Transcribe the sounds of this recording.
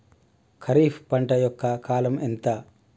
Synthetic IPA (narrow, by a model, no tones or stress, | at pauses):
kʰɐɾiːppɐɳʈɐjɔkːɐkaːlɐment̪ɐ